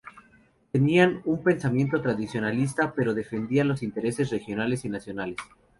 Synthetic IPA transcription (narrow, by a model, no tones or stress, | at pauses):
t̪e̞nianumpe̞nsamje̞nt̪o̞t̪ɾaðisjo̞nalis̬t̪ape̞ɾo̞ð̞e̞fe̞nd̪ianlo̞sint̪e̞ɾe̞se̞sre̞xjo̞nale̞sinasjo̞nales